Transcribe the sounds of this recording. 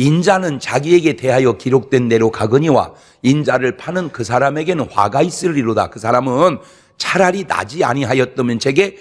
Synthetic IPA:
ind͡ʑanɯnt͡ɕaɡie̞ɡe̞te̞ɦajʌkiɾok̚t͈we̞nde̞ɾokaɡɯɲiwa̰ | ind͡ʑaɾɯɭpʰanɯnkɯsʰaɾame̞ɡe̞nɯnɸwa̰ɡais͈ɯɾiɾoda̰kɯsʰaɾamɯn | t͡ɕʰaɾaɾina̰d͡ʑia̰ɲiɦajʌt̚t͈ʌmjʌnt͡ɕe̞ɡe̞

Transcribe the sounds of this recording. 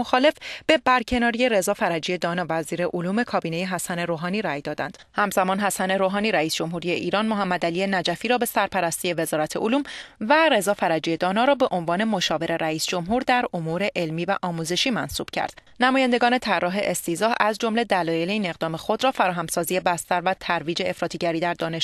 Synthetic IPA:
oxɒːle̞fb̥e̞bæɾcʰe̞nɒːɾije̞ɾe̞zɒːfæɾæd͡ʒije̞d̪ɒːnɒːvæziːɾe̞ʔoluːme̞kʰɒːbiːne̞jeɦæsæne̞ɾoːɦɒːniːɾæjd̪ɒːd̪æ̰nd̪̥hæmzæmɒːnɦæsæne̞ɾoɦɒːniːɾæiːsd͡ʒo̞mɦuːɾije̞ʔiːɾɒːnmoɦæmːæd̪ælie̞næd͡ʒæfiːɾɒːbe̞sæɾpʰæɾæst̪ije̞ve̞zɒːɾæt̪ʰe̞ʔoluːmvæɾe̞zɒːfæɾæd͡ʒije̞d̪ɒːnɒːɾɒːbe̞ʔonvɒːne̞mo̞ʃɒːve̞ɾe̞ɾæiːsd͡ʒo̞mɦuːɾd̪æɾomuɾe̞ʔelmiːvæʔɒːmuːze̞ʃiːmænsṵːb̥cʰæ̰ɾd̪̥ | næmɒːjænd̪e̞ɡɒːne̞t̪ʰærːɒːɦe̞ʔest̪iːzɒːhæzd͡ʒo̞mle̞d̪ælɒːjeleiːne̞ɣd̪ɒːme̞xo̞d̪ɾɒːfæɾɒːɦæmsɒːzije̞bæst̪æɾvæt̪ʰæɾviːd͡ʒe̞efɾɒːt̪ʰiɟæɾiːd̪æɾd̪ɒːne̞ʃ

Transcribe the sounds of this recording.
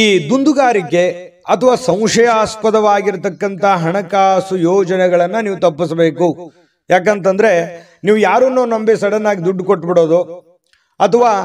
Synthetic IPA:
iːd̪und̪uɡaːɾikːe̞ | ɐt̪ʰɐʋaːsɐ̃w̃ʂɐjaːspɐd̪ɐʋaːɡiɾt̪ɐkːɐnt̪ɐɦɐɳɐkaːsujoːd͡ʒɐnɛɡɐɭɐnːɐniːʋut̪ɐpːisɐbeːku | jaːk̬eːnt̪ɐnd̪ɐɾe̞ | niːʋujaːɾunːoːnɐmbisɐɽɐnːaːɡid̪uɖːkoʈːbiɽo̞ːd̪u | ɐt̪ʰɐʋaː

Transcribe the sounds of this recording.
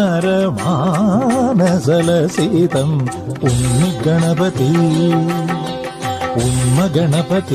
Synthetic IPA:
aɾɐʋa | nɐsɐlɐseːt̪ɐm | unːɯɡɐɳɐpɐt̪i | ʊnmɐɡɐɳɐpɐt̪i

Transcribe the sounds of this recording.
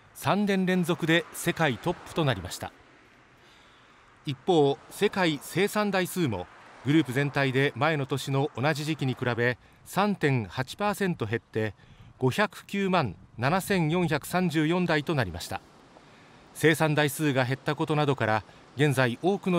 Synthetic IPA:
sãnːẽ̞nɾẽ̞nzo̞kɯ̟d̪e̞se̞kait̪o̞pːɯ̥t̪o̞naɾʲimaɕi̥t̪a̰ | ipːo̞ːse̞kaise̞ːsãnd̪aisɨːmo̰ɡɯ̟ɾɯ̟ːpɯ̟zẽ̞nt̪aid̪e̞mae̞no̞t̪o̞ɕino̞ʔonaʑiʑikʲiɲ̟ikɯ̟ɾabe̞ | sãnt̪ẽ̞ŋhat͡ɕi̥paːsẽ̞nt̪o̞ɦe̞t̪ːe̞ | ɡ̥o̞çʲakɯ̟̥kʲɨːmãnnːanasẽ̞ɰjõ̞ɰ̃çakɯ̟̥sãɲ̟d͡ʑɨːjõ̞nd̪ait̪o̞naɾʲimaɕi̥t̪a̰ | se̞ːsãnd̪aisɨːɡaɦe̞t̪ːako̞t̪o̞nad̪o̞kaɾa | ɡẽ̞nzaiʔo̞ːkɯ̟no

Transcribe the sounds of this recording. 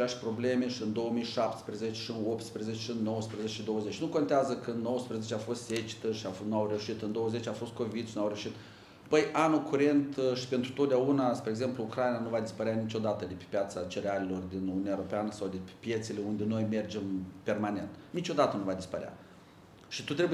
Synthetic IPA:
aʃpɾo̞ble̞me̞ʃiɨnd̪o̞wəmijʃap̚t̪spɾezet͡ʃeʃiɨnop̚t̪spɾezet͡ʃeʃiɨnːo̞wəspɾezet͡ʃeʃid̪o̞wəzet͡ʃnuko̞nt̪eazəkəɨnnːo̞wəspɾezet͡ʃeafo̞st̪set͡ʃi̥t̪əʃianuawɾewuʃit̪ɨnd̪o̞wəze̞t͡ʃʲafo̞st̪̚ko̞vid̪ʃinuawɾewʃit̪ | bəjʔanukuɾe̞nt̪ʃi̥pent̪ɾut̪ot̪̚d̪ʲaunaspɾeːɡze̞mpluukɾajinanuvad̪ispəɾeanit͡ʃo̞d̪at̪əd̪epe̥pʲjat̪sat͡ʃeɾealelo̞rd̪inununaeɾopeanəsawd̪epe̥pje̞t̪sele̞und̪ʲe̞no̞jme̞rd͡ʒe̞mpe̞rmane̞nt̪nit͡ʃo̞d̪at̪ənuvad̪ispəɾea̰ | ʃit̪ut̪ɾe̞bu

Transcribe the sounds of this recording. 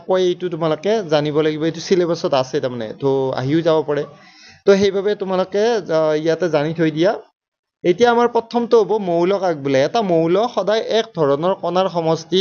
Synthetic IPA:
kɔjejtʊtʊmalokɛzanibɔlaɡibɔejtusilebasɔtasɛtamanɛ̰tʰoa̰ɦiʊzabɔpaɹɛ | toxejbʱabɛtʊmalokɛijatɛzanitʰojdija | ejtijaːmaɹpɹɔtʰɔmtʊɦobɔmowlɔkaɡ̚bulɛɛtamowlɔxɔdajʔɛk̚dʱɔɹɔnɔɹkɔnaɹxɔmɔsti

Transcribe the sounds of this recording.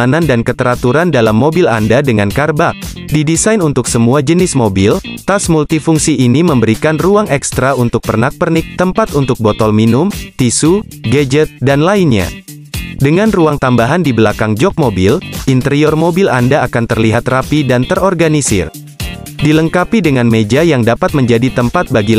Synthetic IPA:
nandankət̪əɾat̪uɾandalamːobila̰ndadəŋankarbak̚ | didisajnunt̪ʊksəmuad͡ʒənɪsmobɪlt̪asmult̪ifuŋsiʔːniməmbəɾikanruaŋɛkst̪ɾaunt̪ʊk̚pərnak̚pərnɪk̚t̪əmpat̪unt̪ʊk̚bɔt̪ɔlminumt̪isu | ɡɛd͡ʒət̪̚danlainɲa̰ | dəŋanruaŋt̪ambaɦandibəlakaŋd͡ʒɔk̚mobilint̪əɾiɔrmobilandaːkant̪ərliɦat̪rapidant̪əɾɔrɡanisɪ̰r | diləŋkapidəŋanmed͡ʒajaŋdapat̪̚məɲd͡ʒadit̪əmpat̪̚baɡi

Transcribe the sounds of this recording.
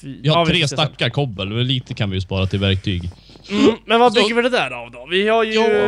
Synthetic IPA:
vɪhaɾʰɾeːst̪akːaɾkʰɔbːəlmɛnliːt̪ʰəkʰanvɪjɵspɑːɾat̪ʰɪlvæɾk̚t̪ʰy̰ːɡ | mmɛnvaʏɡːəɾvɪd̪ɛd̪æːɾavd̪ɔvɪhaɾjjuː

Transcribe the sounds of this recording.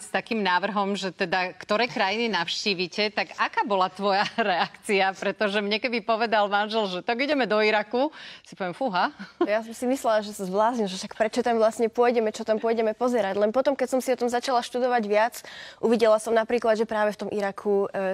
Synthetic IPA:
st̪akiːmnaːʋr̩ɦɔmʒɛt̪ɛd̪akt̪ɔɾɛːkɾajininafʃciːʋicɛt̪aɡakaːbɔlat̪ʋɔjaɾɛakt͡siapɾɛt̪ɔʒɛmɲɛkɛd̪ipɔʋɛd̪almanʒɛlʒɛt̪aɡiɟɛmɛd̪ɔiɾakusi̥pɔʋiɛmfuɦajasɔmsimislɛlaʒɛsazblaːzɲilʒɛʃakpɾɛt͡ʃɔt̪amʋlasɲɛpʊɔjɟɛmɛt͡ʃɔt̪ampʊɔjɟɛmɛpɔzɛɾaɟlɛnpɔt̪ɔmkɛcsɔmsiɔt̪ɔmzat͡ʃalaʃt̪ud̪ɔʋaɟʋɪat͡sʔuʋiɟɛlasɔmnapɾiːklad̪ʒɛpɾaːʋɛft̪ɔmʔiɾakʰu

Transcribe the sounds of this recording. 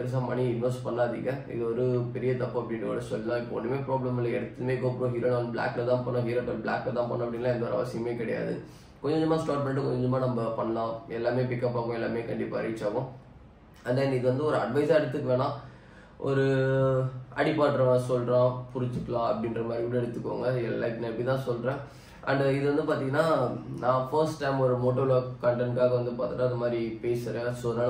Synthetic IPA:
ɐɾɐs̬ãːpɐɳiɪnʋɐsʈpɐɳːaːðɪŋɡɐɪ̰ðɐɔɾɯpɛɾɪjɐt̪ɐpːɯɐpːɐɽɪ̃nrɐko̰ːɽɐsɔlːɐlãːɪpːɐɔ̰nːɯmeːpɾoːblɐmɪlːɐɛɽɯt̪ːɐɯmeːkoːpɯɾõɦiːɾɐnãbɭa̰ːklɐt̪ãːpɐːnːãːɦiːɾɐpːɐlbɭa̰ːklɐt̪ãːpɐnːɐ̃ɐpːɐɽɪnːlãːɛnd̪ɐɔɾɐ̰ʋɐsɪjɐmeːkɪɽɐja̰ːðɯ̰ | kɔɲd͡ʒɲd͡ʒɔmaːsʈaːʈ̚mɛɳʈɯkɔ̰ɲd͡ʒɐmːaːnɐmbɐpɐɳːɐlãːɛlːaːmeːpɪkːɐpːaːɣʊ̃ɛlːaːmeːkɐɳɖɪpːa̰ːɐɾɪt͡ʃːaːɣʊ̃ | ɐd̪aːɪniɪkɯʋɐnd̪ɯɔɾɯɐɖʋɐɪsaɛɽɯt̪ːɯkːɯʋeːɽãː | ɔ̰ɾɯ | ɐ̰ɽɪpːaːʈːɾɐãsɔlɾãːpʊɾɪɲt͡ʃɯkːɐlãːɐpːɐɽɪ̃nɾɐmaːd̪ɾiɪlɐɛɽɯt̪ːɯkːʋo̰ːŋɡɐɛlaknɐpːɽɪt̪ãːsɔlɾẽː | ɐ̰ɳɖɪðɯʋɐnd̪ɯpaːɾt̪iːŋɡɐnːaːnãːfɐɾsʈːɐɪmɔɾɯmoːʈːoːɾlokkːɐɳʈɐnkaːɣɐʋɐnd̪ɯpaːɾt̪ɯʈːaːɐðɐmaːd̪ɾipeːsɯɾẽsɔlɐ

